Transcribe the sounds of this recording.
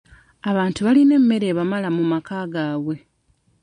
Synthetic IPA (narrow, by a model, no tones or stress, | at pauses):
aβaːntuβaline̞mːe̞ɾe̞ːβamalamumakaːɡaːβwe̞